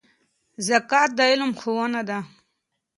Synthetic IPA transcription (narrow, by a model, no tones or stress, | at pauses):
zakaːt̪̚d̪ailumxuwanad̪a